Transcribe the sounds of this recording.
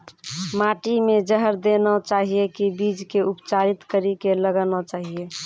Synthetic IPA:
maʈimẽd͡ʒəɦəɾd̪enat͡ʃaːɦiekibid͡ʒkeupt͡ʃaɾit̪kəɾikeləɡanat͡ʃaːɦie

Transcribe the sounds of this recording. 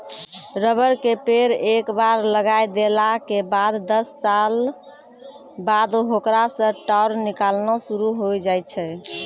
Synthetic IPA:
ɾəbəɾkepeɾekbaɾləɡajd̪elakebad̪ːəsːal | bad̪oɦokɾasə̃ʈaʊɾnikalnɔsuɾuɦojd͡ʒajt̪t͡ʃʰɛ

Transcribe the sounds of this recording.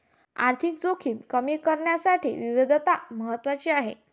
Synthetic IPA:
a̰ɾt̪ʰik̚d͡zokʰiːmkəmikəɾɳjasaʈʰḭːʋiʋid̪ʱt̪aməɦət̪ːʋat͡ɕiːaɦḛ

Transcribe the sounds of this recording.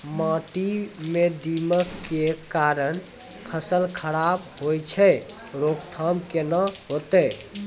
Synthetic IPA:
mãʈimed̪iməkːekaɾəñ | pʰəsəlkʰəɽabɦojt͡ʃʰɛ | ɾokt̪ʰəmkenəɦot̪ɛ

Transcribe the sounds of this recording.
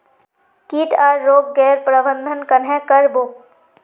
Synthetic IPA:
kiːʈʰaːɾːoːɡːɛːɾpɾəbə̃nd̪ʱənkɐnɦɛ̃kəɾboː

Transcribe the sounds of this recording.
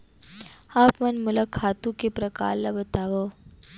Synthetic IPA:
aːpmɐnmʊlakʰaːt̪ũkepɾɐka̰ːɾlabɐt̪aːʋoː

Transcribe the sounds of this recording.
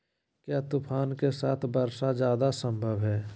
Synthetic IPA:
kjaːt̪ʊpʰaːnkesaːt̪ʰbəɾsad͡ʒjaːd̪asə̃mbʱəʋɦɛː

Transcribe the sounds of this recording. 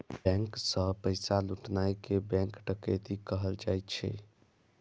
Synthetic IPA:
bɛ̃ŋksə̃pəɪsaluʈnajkebɛ̃ŋkʈəkət̪ikəɦəld͡ʒajt͡ʃʰɛ̰

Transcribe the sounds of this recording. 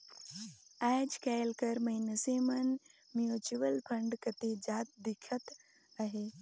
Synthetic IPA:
aːd͡ʒkaːlkəɾməinəsemɐn | mjut͡ʃuʋəlpʰɐɳɖkət̪ed͡ʒaːt̪̚d̪ɪkʰət̪ | aɦeː

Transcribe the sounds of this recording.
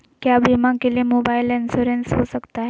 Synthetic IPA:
kjabimãkelimobailensuɾensɦosəkt̪aɦe

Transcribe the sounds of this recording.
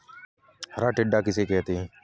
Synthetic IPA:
həɾaːʈɪɖːaːkɪseːkɛːt̪e

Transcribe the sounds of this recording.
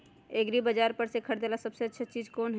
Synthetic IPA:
eɡɾibəd͡ʒaɾpəɾsẽkʰəɽd̪elasəbseətːʃʰeːt͡ʃid͡ʒkonɦ

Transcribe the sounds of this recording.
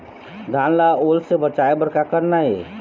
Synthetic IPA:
d̪ʱãːnlaoːlsebət͡ʃaebəɾkakəɾnaɦḛ

